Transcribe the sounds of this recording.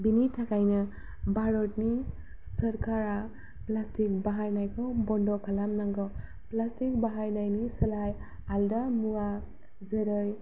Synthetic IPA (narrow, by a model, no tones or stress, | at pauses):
binitʰakajnɯ | baɾɔtni | sʌɾkaɾa | plastik̚baɦajnajkʰɔbɔndɔkʰalamnaŋɡɔ | plastik̚baɦajnajnisɯlaj | aldamua | zeɾɯj